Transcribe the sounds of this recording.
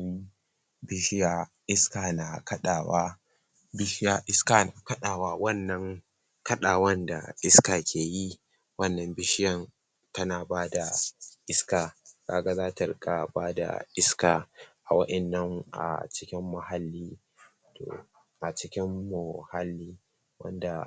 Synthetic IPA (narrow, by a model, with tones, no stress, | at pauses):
bɪ˦ʃɪ˦jaː˨ | ʔɪ˦skaː˨na˨kɐ˦ɗaː˨wa˦ | bɪ˦ʃɪ˦jaː˨ʔɪ˦skaː˨na˨kɐ˦ɗaː˨waː˦wɐ˦nːɐ˦ŋ | kɐ˦ɗaː˨wɐ˦nda̰˨ʔɪ˦skaː˨kʲʰeː˨ji˦ | wɐ˦˨nːɐ˨mbɪ˦ʃɪ˦jɐ˦˨n | tɐ˦naː˨baː˦da˨ʔɪ˦skaː˨kaː˦ɡa˦zaː˦tɐ˨rka˨baː˦da̰˨ʔɪ˦skaː˨ʔa̰˨wɐ˦ɗɐ˨nːɐ˦ŋʔa̰˨t͡ʃɪ˦kʲɪ˦mːɐ˨ha˨lːiː˦ | to̰ː˨ | ʔa˨t͡ʃɪ˦kʲɪ˦mːʊ˨ha˦lːiː˦ | wɐ̰˦nda˨